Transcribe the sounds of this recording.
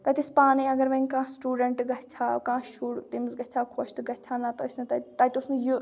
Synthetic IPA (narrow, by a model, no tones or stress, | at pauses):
t̪ɐt̪ispaːniɐɡɐɾʋɐŋkãːsʈuːɖɐɳʈɡɐtt͡ʃʰakãːʃuːɽt̪imzɡɐt͡ʃʰaːkʰoʃt̪ɡɐt͡ʃʰanat̪ɐsʰnɨt̪ɐt̪ɐt̪usnuju